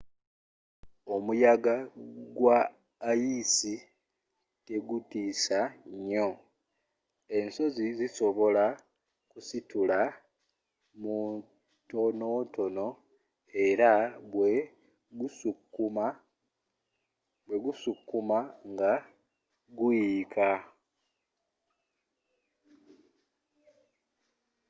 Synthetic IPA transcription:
o̞mujaɡaɡwaː | jisi | te̞ɡutisaɲo̞ | e̞nso̞ziziso̞βo̞la | kusitula | mu | to̞noto̞no̞ | e̞ɾawe | ɡusukːuma | bwe̞ɡusukːumaŋɡa | ɡuika

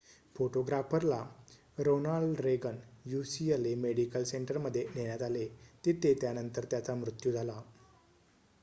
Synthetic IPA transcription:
foʈoɡɾafəɾla | ɾonaɭɖɾeɡənjusiəlemeɽikəlseɳʈəɾməd̪ʱːjeneɽ̃jat̪alet̪it̪ʰet̪janənt̪əɾt̪jat͡samɾut̪jud͡zʱala

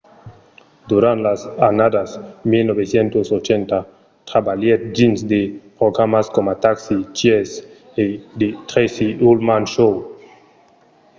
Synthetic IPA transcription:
d̪uɾãnt̪lasanad̪asmilnoβesjent̪osot͡ʃent̪a | t̪ɾabaljet̪̚d͡ʒinsd̪epɾoɡɾamaskomat̪aksit͡ʃjes | ed̪et̪ɾesiulmanʃow

